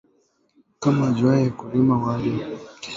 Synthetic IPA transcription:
kamad͡ʒajɛkuɾimawalɛ

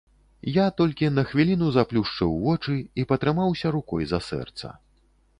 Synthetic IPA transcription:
jat̪ɔlʲkʲinɐxvʲilʲinuzaplʲuʂt͡ʂɐwvɔt͡ʂɨipɐt̪ɾɨmawsʲɐɾukɔjzɐsɛ̰rt̪sɐ̰

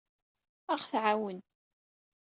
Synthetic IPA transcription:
aʁθʕawən

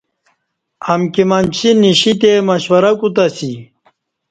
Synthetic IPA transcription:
ɐmkimɐnt͡ɕʰiniɕit̪emɐɕwɐɾɐkut̪ɐsi

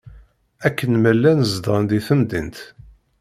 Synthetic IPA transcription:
ækːənmælːænəzd̪ənd̪iθəmd̪ənt̪

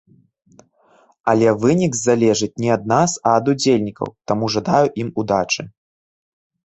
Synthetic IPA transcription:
ɐlʲɛvɨnʲiɡzalʲɛʐɨt͡sʲnʲiɐd̪̚nasɐːd̪ud͡zʲelʲnʲikɐ̰wt̪amuʐad̪ajuʔimud̪at͡ʂɨ

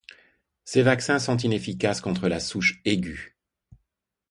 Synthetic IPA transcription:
sevaksɛ̃sɔ̃t̪̬inefikaskɔ̃t̪χəlasuʃeɡʲy

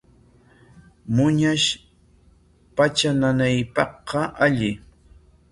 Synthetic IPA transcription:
mʊɲaʃ | pat͡ʃananajpɑhqɑʔaʎɪ

